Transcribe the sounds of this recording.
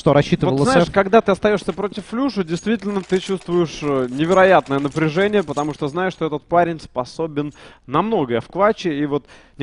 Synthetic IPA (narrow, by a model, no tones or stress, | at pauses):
ʂt̪oɾɐɕːit̪ɨvovəlˠəzaɪʂkɐɡd̪at̪ɨɐst̪ɐjo̞ʂsʲəpɾo̞tʲɪfːlʲuʂədʲɪjst̪vʲitʲɪlʲnət̪ɨt͡ɕust̪vʊjɪʂnʲɪvʲɪɾɐjat̪nəjənəpɾʲɪʐɛnʲɪjəpət̪ɐmuʂt̪oznajɪʂt̪oɛt̪ət̪̚paɾʲɪnʲspɐso̞bʲɪnːɐmno̞ɡəjəfklˠat͡ɕɪivo̞t̪ | nʲ